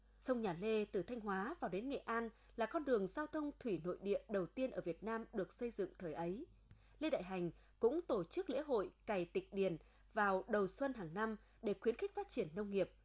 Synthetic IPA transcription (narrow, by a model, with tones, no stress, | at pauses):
sə˧wŋ͡mɲaː˨˩le˧t̪ɨ˨˩t̪ʰa˧jŋ̟ɦwaː˨˦vaː˨˩wɗe˨˦nŋḛ˧˨ʔaː˧n | laː˨˩kɔ˧nɗɨ˨˩əŋzaː˧wt̪ʰə˧wŋ͡mt̪ʰwi˧˩no̰˧˨jɗḭ˧˨əɗə˨˩wt̪i˧ənʔəː˧˩vi˨˩ət̚naː˧mɗɨ˨˩ək̚sə˧jzɨ̰˧˨ŋt̪ʰəː˨˩jʔə˨˦j | le˧ɗa̰ː˧˨jɦa˨˩jŋ̟ | kʊ̰˧˥ŋ͡mt̪o˧˩t͡ɕɨ˦˥k̚lḛ˧˥ɦo̰˧˨jka˨˩jt̪ï˨˩ŋ̟̚ɗi˨˧˩ən | vaː˨˩wɗə˨˩wswə˧nɦaː˨˩ŋna˧m | ɗe˧˩xwi˨˦ənxi˦˥k̟faː˦˥t̚t͡ɕi˧˩ənːə˧wŋ͡mŋi˨˩əp̚